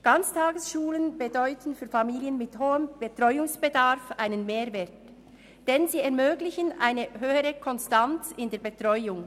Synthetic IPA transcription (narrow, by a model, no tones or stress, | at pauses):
ɡ̥ant͡stʰaːɡəsʃuːlənbɛdɔʏtən̩fyːfamiːliənmɪthoːəmb̥etʁ̥ɔʏʊŋsb̥ədaʁfʔaɪnənmeːɐvɛːt | d̥ɛnziːɛɐmøːɡlɪçənʔa̰ɪnəɦøːəʁəkʰɔnstant͡sɪndeːɐbetʁ̥ɔʏʊŋ